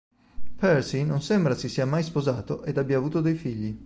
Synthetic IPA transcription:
pɛɾsinonsembɾasisːiːamajspozaːt̪oʔed̪abːjaːvuːt̪od̪ejfiʎːi

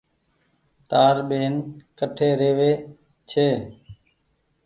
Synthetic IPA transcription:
t̪aːɾɓeːnkəʈʰeːɾeːʋeː | t͡ʃʰeː

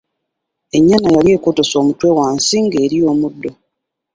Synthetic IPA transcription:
e̞ɲːanajalje̞ːkoto̞so̞ːmutwe̞waːnsiŋɡe̞ːɾijo̞ːmudːo̞

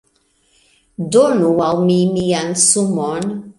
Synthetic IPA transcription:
donuwawmimijansumɔn

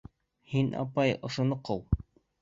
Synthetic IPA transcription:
hinɑ̰pɑjoʃŏnɤqowˠ

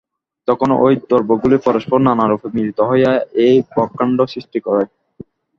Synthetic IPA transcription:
t̪ɔkʰon̰ʔojd̪ɔɾboɡulipɔɾoʃpoɾnanaɾufʰemiɾit̪oɦɔjaejbɔkːaɳɖosɾiʃʈikɔɾa

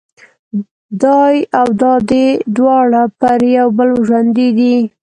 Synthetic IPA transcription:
d̪ɑjawd̪ɑd̪ed̪wɑɽapəɾjawbəlʒwand̪id̪i

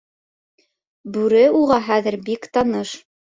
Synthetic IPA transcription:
bʉɾɘuʁɑɦæðɘ̆ɾbikt̪ɑnɤʃ

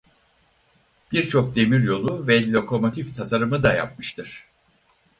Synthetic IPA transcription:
b̥iɾt͡ʃʰo̞k̚d̪e̞miɾjo̞lˠuvɛlʲo̞kʰo̞mo̞t̪ʰift̪ʰasaɾɯmɯd̪aja̰p̚mɯʃt̪ʰɯɾ̥

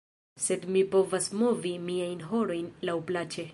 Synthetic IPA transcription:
se̞d̪mipo̞vasmo̞vimiajnɦo̞ɾo̞jnlawplat͡ʃe̞

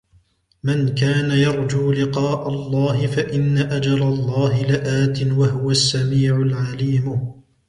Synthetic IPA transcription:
mankaːnajɑɾˤd͡ʒuːlɪqɑːʔalˤːɑːhɪfaʔɪnːaʔad͡ʒɑɾˤɑlˤːɑːɦɪlɪʔaːt̪ɪnwaɦʊwasːamiːʕʊlʕaliːm

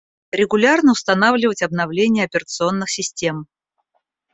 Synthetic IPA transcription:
ɾʲɪɡʊlʲarnəʊst̪ɐnavlʲɪvətʲɐbnɐvlʲenʲɪjəɐpʲɪrət̪sɨo̞nːɨxsʲɪsʲtʲe̞m

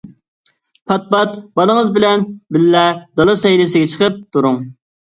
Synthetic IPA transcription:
pʰɑt̪̚bɑt̪̚bɑlˠəŋəzbɪlɛnbɪlːɛd̪ɑlˠɨsɛjlɪs̬ɪɡʲɛt͡ʃʰəqəp̚t̪ʰuɾʊŋ

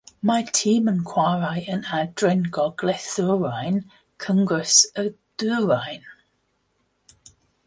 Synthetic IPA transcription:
matʰiːmənkʰw̥aɹajənadɹɛnɡɔɡ̥lɛθuɹajn | kʰəŋɡəsəd̥ʉːɹajn

